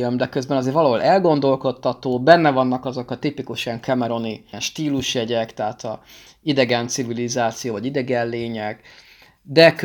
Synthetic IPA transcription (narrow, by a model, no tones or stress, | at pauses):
ømd̪ɛkøzbɛnɒzeːɾvɒlɒɦo̞lʔɛlɡo̞nd̪o̞lko̞t̪ːɒt̪oːbɛnːɛvɒnːɒkɒzo̞kɒt̪ipikuʃɛŋkʰɛmɛɾo̞ninʃt̪iːluʃjɛɟɛkt̪ɛɦaːt̪ʰɒ | id̪ɛɡɛnt̪sivilizaːt̪sijoːvɒɟid̪ɛɡɛnleːɲɛɡ | d̪ɛk